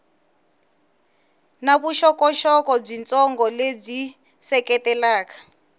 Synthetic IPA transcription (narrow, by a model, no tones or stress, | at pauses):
naβuʃɔkɔʃɔkɔb͡ʐint͡sʼɔŋɡɔleb͡ʐi | sɛkɛtɛlaːkḁ